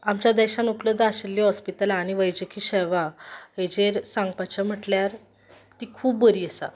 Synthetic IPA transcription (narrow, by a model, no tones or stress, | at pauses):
amt͡ɕad̪ɛɕanukləd̪aaɕelːiɦɔspit̪əlañiʋəjd͡ʑəkʰiːɕɛʋaɦed͡ʑeɾsãŋɡpat͡ɕəm̤əʈljaɾ | t̪ikʰuːbːəɾiːəsa̰